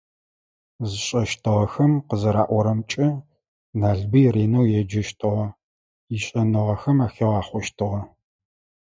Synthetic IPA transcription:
zɨɕʼɐʃtʰɨʁɐxɐmqəzɐɾa̰ːʔʷɔɾɐmt͡ʃʼɪ | naːɮbɨjreːnɐwjɛd͡ʒɪʃtʰɨʁɐ | iɕʼɐnɨʁɐxɐmaːxɐʁɑːχʷɔʃtʰɨʁɐ

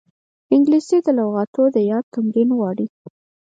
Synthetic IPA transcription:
ɪŋɡlised̪əlawɣɑt̪od̪əjɑd̪̚t̪ʊŋɡinwɑɽi

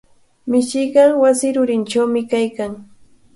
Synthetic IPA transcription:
mɪʃɪjɢɑwasɪɾʊɾɪnt͡ʃawmɪkajkaŋ

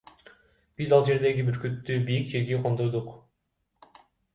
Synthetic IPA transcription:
b̥izɑlˠd͡ʒe̞ɾd̪e̞ɡʲibyɾkyt̪ːyːbijik̚d͡ʒiɾɡiqʰond̪oɾd̪uq

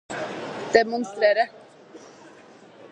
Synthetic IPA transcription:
d̪̥ɛmɔnst̪ɾeːɾə

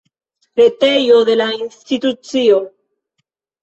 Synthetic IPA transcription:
ɾet̪ejoðelainst̪it̪ut͡sjo

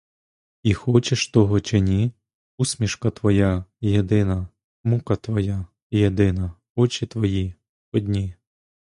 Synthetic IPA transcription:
ixɔt͡ʃeʃt̪ɔɦɔt͡ʃenʲi | usʲmʲiʃkɐt̪ʋɔjajed̪ɪnɐ | mukɐt̪ʋɔja | jed̪ɪnɐ | ɔt͡ʃʲit̪ʋɔji | ɔd̪ʲnʲi

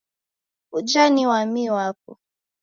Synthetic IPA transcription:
ud͡ʒaniwamiwak̚ɔ̰

